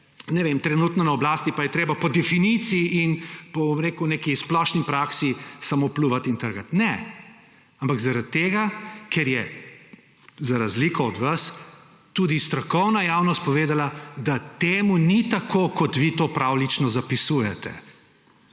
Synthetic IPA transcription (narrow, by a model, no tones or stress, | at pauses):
nɛʋemt̪ɾɛnuːt̪nɔnaɔblaːst̪ipajɛt̪ɾeːbapɔd̪ɛfinit̪siːnpɔbmɾeːkunekisplɔʃnipɾaksisamopluʋat̪int̪əɾɡat̪nɛ | ampaɡzaɾat̪tːeːɡakʰɛɾjɛ | zaɾazlikɔɔd̪ʋas | t̪uːd̪ist̪ɾɔkɔwnajawnɔst̪̚pɔʋeːd̪alad̪at̪eːmunit̪akʰoːkɔt̪ʋit̪oːpɾawlit͡ʃnɔzapisuːjɛt̪ɛ̰